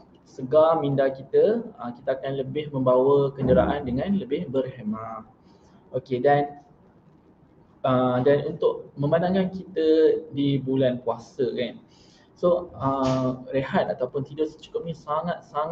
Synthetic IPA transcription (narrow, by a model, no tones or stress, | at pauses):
səɡalmĩndakit̪əəkit̪əakanləbɪhmə̃mbawəkəndəɾaʔandəŋãnləbɪhbərhemã | okedan | ədanunt̪ʊʔ̚mə̃mbandaŋkankit̪ədibulankuasəkan | soəɾeɦat̪̚at̪awpʊnt̪idʊʔsə̥t͡ʃu̥kʊp̚ɲisaŋat̪̚saŋ